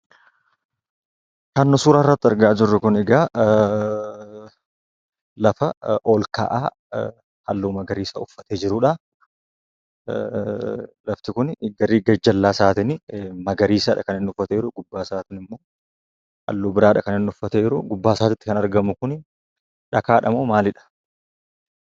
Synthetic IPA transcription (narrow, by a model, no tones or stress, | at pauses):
kɐnːɔsuːɾaːrːɐt̪ːɪɐɾɡaːd͡ʒɪrːʊkʊnɛɡaː | lɐfɐʔoːlka̰ːʔaː | hɐlːuːmɐɡɐɾiːsɐ̰ʊfːɐ̥t̪eːd͡ʒɪɾʊᶑɐ | lɐft̪ɪkʊnɡɐɾiɡɐd͡ʒɐlːaːsaːt̪ɪnmɐɡɐɾiːsɐᶑɐkɐnɪnʊfːɐt̪eɪɾʊɡʊbːaːsaːt̪ɪnɪmːo̞ː | ɐ̰lːuːbɪɾaːᶑɐkɐnɪnːʊfːɐt̪eɪɾʊɡʊbːaːsaːt̪ɪt̪ːɪkɐnɐɾɡɐmʊkʊn | ᶑɐkaːᶑɐmoːmaːlɪᶑɐ̥